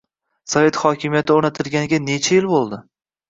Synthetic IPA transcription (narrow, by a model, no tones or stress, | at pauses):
save̞t̪χɒkʲʰɪmijat̪ʰɪoɾnat̪ʰɪlɡʲanɪɡʲane̞t͡ʃʰajɪlbolˠd̪ɪ